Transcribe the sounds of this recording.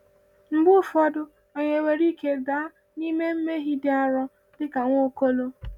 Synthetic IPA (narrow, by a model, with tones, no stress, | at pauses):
m̩˨ɡ͡bʊ˦fɔ˦dʊ˦ | e˨ɲe˨we˨ɾi˦ke˦daː˨˦ | ni˦me˦m̩˦me˦ɦi˦dɪ˦a˦ɾɔ˦ | dɪ˦ka˨ŋʷ˦o˦ko˦lo˦